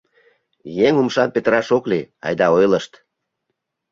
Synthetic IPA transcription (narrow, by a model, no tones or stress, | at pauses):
jeŋumʃɑmpet̪əɾɑʃokliɑ̰jd̪ɑojləʃt̪